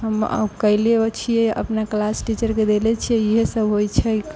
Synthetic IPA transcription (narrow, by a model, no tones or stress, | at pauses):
ɦəmə̰kəileot͡ʃʰijɛʔə̰pnaklasʈit͡ʃəɾked̪elɛt͡ʃʰiɛiɦesəbʱɦojt͡ʃʰɛk